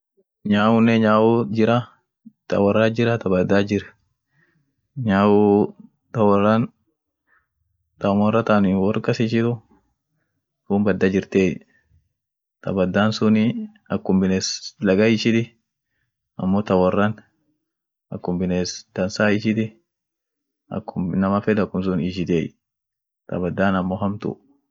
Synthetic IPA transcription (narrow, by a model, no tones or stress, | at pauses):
ɲaːwʊnːɛɲaːʔʊd͡ʒɪɾɐ | t̪ɐ̰wɐrːad͡ʒɪɾɐt̪ɐbɐd̪ːaːd͡ʒɪɾɛ | ɲaːwu | t̪ɐwɐrːɐn | t̪ɐmɔrːɐt̪anɪwɔrkʼɐsɪʃɪt̪ʊ | huːmbɐd̪ːad͡ʒɪɾt̪eː | t̪ʰɐ̰bɐd̪ːaːnsʊnɪ | ɐkːʊmbɪneːslɐɡɐɪʃɪd̪ɪ | ɐmːoːt̪ɐwɐrːɐn | ɐkːʊmbɪneːsd̪̥ɐnsaːɪʃɪd̪ɪ | ɐ̰kːʊmnɐmɐfɛd̪ɐkːʊms̬ʊnɪʃɪd̪eːj | t̪ɐ̰bɐd̪ːaːnɐmːoːɦɐmt̪ʊ̰